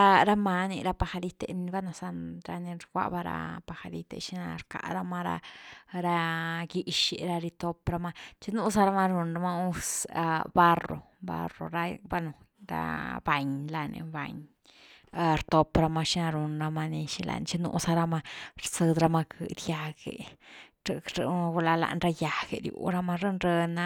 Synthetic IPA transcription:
a˧ɾa˦ma˧ni˧ɾa˧pa˧xa˧li˦t̪e˧n˧ba˦no˨sa˧nɾa̰˧ni˧ɾɡʷa̰˦ʔba˦ɾa̰˧pa˧xa˧li˦t̪ḛ˧ʃi˦na˧ɾka̰˨ʔɾa˦ma˦ɾa̰˧ɾa˧ɡi˦ʃi˧ɾa˧ɾi˧t̪o˧pɾa˧ma˦t͡ʃi˦nu˦sa˦ɾa˦ma˦ɾu˧nɾa˧ma˦˧u˦sa˧ba˦ro̰˨ | ba̰˦ro̰˨ɾa˧ba˦no˨ɾa̰˧ba˨ɲla˧nḛ˧ba̰˨ɲ˧ | ɾt̪o˧pɾa˧ma˧ʃi˦na˧ɾu˧nɾa˧ma˧ni˧ʃi˧la̰˧˨nt͡ʃi˦nṵ˧˦sa˧ɾa˧ma˦ɾsɨ˧d̪ɾa˧ma˧kʰɨ˧d̪ja˧ɡe˨ | ɾɾu˧la˧la̰˧nɾa˧ja˨ɡḛ˧ɾjṵ˧˨ɾa˦ma˦ɾɨ˦nɾe˧na˧

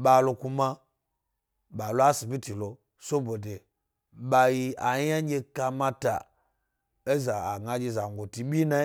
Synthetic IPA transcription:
ɓa˨lo˧ku˧ma˦ | ɓa˨lo˦a˦si˨bʲi˦ti˨lo˨ | so˦bo˨de˨ | ɓa˧ji˧a˨˦ja˦ɡʲe˧ka˧mã˦ta̰˨ | e˦za˨a˨ɡa˧d͡ʒe˧˨za˨ŋ˨ɡo˨ti˨ɓʲi˦na˦

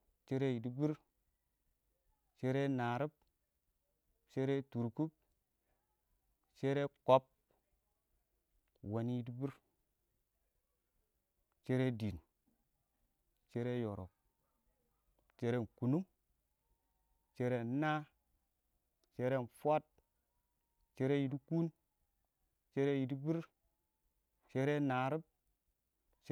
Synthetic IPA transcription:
t͡ʃe˦ɾe˦ji˨di˦bi˦ɾ | t͡ʃe˦ɾe˦na˨ɾi˦b̚ | t͡ʃe˦ɾe˦tu˨ɾku˦p̚ | t͡ʃe˦ɾe˦ko˦p̚ | wa˨ni˦ji˦di˦bi˦ɾ | t͡ʃe˦ɾe˦di˨n | t͡ʃe˦ɾe˦jo˨ɾo̰˨ | t͡ʃe˦ɾe˦˨ku˨nu˦m | t͡ʃe˦ɾe˦na˦ | t͡ʃe˦ɾe˦˨nfʷa˦t̚ | t͡ʃe˦ɾe˦ji˨di˦ku˦n | t͡ʃe˦ɾe˦ji˨di˦bi˦ɾ | t͡ʃe˦ɾe˦na˨ɾi˦b̚ | t͡ʃ

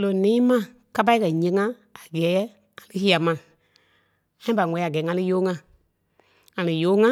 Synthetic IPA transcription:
lo˨nĩ˦mã˦˨ | ka˦p̬a˦i˦kɜ˨ɲẽ˧˦ŋã˦ | a˨ɡɛː˨˦ | ŋã˨lɨ˦hi˦a˨mã˨ | ã˦ĩ˦ba˨ŋɔ̃˨˦i˦a˨ɡɛː˨˦ŋã˧lɨ˦joː˨˦ŋã˧ | ŋã˨lɨ˨joː˨˦ŋã˦

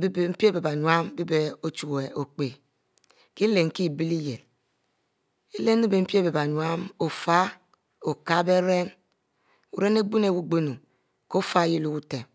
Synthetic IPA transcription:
bbm̩˦pi˦e˦be˨ba˨ɲwa˦m˦bi˦be˦o˦t͡ʃu˨ke˨o˨k͡pe˨ | ki˦le˨ŋ̩˨ki˦˨bi˦li˦je˨l | e˦le˦nː˦e˦be˨m̩˦pi˦e˦be˨ba˨ɲwa˦mo˨fa˦ | o˨ka˦be˦ɾe˦n | u˨ɾe˦ne˦ɡ͡bu˦ne˨wu˦ɡ͡bo˦nu˨ | ko˦fa˦ji˦lu˦ku˦te˨m

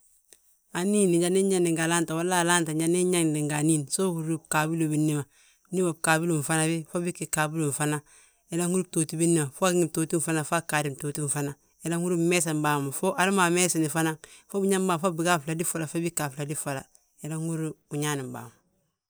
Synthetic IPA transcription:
a˨niː˦n˨ɲd͡ʒa˦ni˦ɲa˦ndi˨ŋɡa˨la˦nta˨wa˦la˦˨la˦nta˨d͡ʒa˨ni˦ɲa˦ŋdi˨ŋɡa˨niː˦n˨so˦hu˨ɾi˦b̚ka˨bi˦lo˨bi˨nːi˦ma˨˦ | ni˦ma˨b̚ka˨bi˦lo˨m̩˨fa˦na˦βi˦fo˦bi˦kːi˨ka˨bi˦lo˨ɱ˨fa˦na˦ | je˨˦la˦ŋu˦ɾu˦toː˨ti˦bi˦nːi˦ma˨fo˦a˦kŋi˨mto˨ti˦m˨fa˦na˨fa˦kaː˨ɾi˦mtoː˨ti˦m˨fa˦na˨ | je˦la˦ŋu˦ɾi˦˨me˦s̬a˨mba˨mu˨fo˦ʔa˨li˦ma˨me˦si˨ni˨fa˦na˦ŋfo˦bi˦ɲa˦m˦baː˨m˨fo˦bi˨ɡa˦fla˨di˦fa˦˨la˨fa˦bi˦kːa˨fla˨di˦fa˨la̰˨ | je˨la˦ŋu˦ɾi˦u˨ɲa˦ni˨mba̰ː˨ma˨

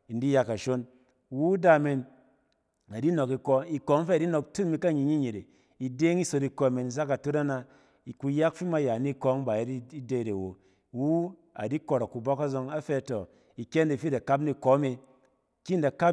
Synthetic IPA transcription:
i˨ndi˦ja˧ka˨ʃo˦n | wu˦da˧me˧n | a˨di˦no˨ki˧kɔ˧i˧kɔ˨˦ŋ˦fe˦˨di˦no˧ktu˦nmi˧ka˦˨ɲi˧˨ɲi˦ɲi˨ɾḛ˨ | i˨de˦ŋi˦so˧ti˧kɔ˧˦˨me˨ni˨za˦ka˨tu˦ɾa˦na˧ | i˨ku˧ja˦kfi˦ma˦ja˨ni˦kɔ˧˦ŋ˦ba˨je˦ti˦i˦de˦˨ɾe˨wo̰˨ | wu˦ | a̰˨di˦ko˨ɾa˨kːu˨bɔ˦ka˦zo˧ŋa˦fe˧to˨ | i˨kʲe˦nde˨fi˦da˨ka˦p̬ni˦˧ko˨˦mi˧ | ki˦n˨da˨ka˦

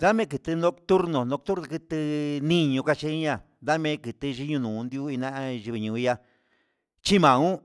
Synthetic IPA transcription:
d̪a˦mẽ˦kɨ˨t̪ɨ˧nõ˦˧kt̪u˦ɾnõ˨nõ˧kt̪u˦ɾnõ˧kɨ˧t̪ɨ˧nĩ˦ɲũ˧ka˧t͡ʃe˦i˦ɲã˧˨nd̪a˦mẽ˦kɨ˨t̪ɨ˧ʒi˦ɲũ˧nũː˨˧nd̪ju˦i˧nã˦ã˧ʒi˧βi˧ɲũ˨i˧ja˧ | t͡ʃi˦mã˨ũ˦

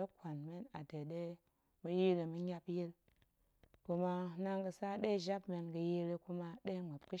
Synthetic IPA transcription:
ə˦kʷa˨nme˦na˨de˨ɗe˦ | mə˦ji˦ɾə˨mə˦ɲa˦pji˦l | ku˦ma˦na˦ŋɡə˨sa˦ɗe˦ʒa˦pme˨nɡə˨ji˦ɾi˦ku˦ma˦ɗe˦ŋ͡mə˨p̚kə˦

